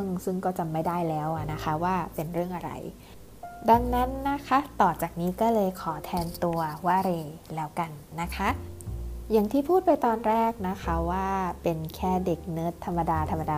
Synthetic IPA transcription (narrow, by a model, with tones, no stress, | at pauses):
ŋsɯ˥˩ŋkɔː˥˩t͡ɕa˧˩mːa˥˩jdaː˥˩jlɛː˦˥wʔa˨˩na˦˥xʰa˦˥waː˥˩pe˧nɾɯ˥˩əŋʔa˧ɾa̰˧j | da˧ŋna˦˥nːa˦˥kʰa˦˥t̪ɔː˨˩t͡ɕaː˨˩k̚niː˦˥kɔː˥˩lɤː˧jkʰɔː˩˦t̪ʰɛː˧nt̪u˧ɐwaː˧ɾeː˧lɛː˦˥wka˧nːa˦˥kʰa˦˥ | ja˨˩ŋt̪ʰiː˥˩pʰuː˥˩t̪̚pa˧jt̪ɔː˧nɾɛː˥˩k̚na˦˥kʰa˦˥waː˥˩pe˧nkʰɛː˥˩de˨˩k̚nɤː˦˥t̪ʰːa˧mːa˧daː˧t̪ʰa˧mːa˧daː˧